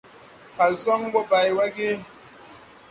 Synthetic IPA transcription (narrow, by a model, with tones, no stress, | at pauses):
pa˨lsɔ˦ŋbo˦ba˨jwa˦ɡe˦